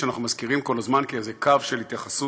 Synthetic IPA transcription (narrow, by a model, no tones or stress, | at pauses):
eanaχnumazkiʁimko̞lazmankezekavʃelhit̪jaχasu